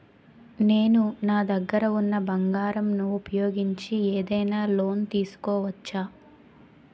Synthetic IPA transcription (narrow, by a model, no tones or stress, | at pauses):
neːnunaːd̪ɐɡːɐɾɐunːɐbɐŋɡaːɾɐmnuːpɐjo̞ːɡiɲt͡ʃieːd̪ɐjnaːlo̞ːnt̪iːsu̥kɔːʋɐt͡ʃːaː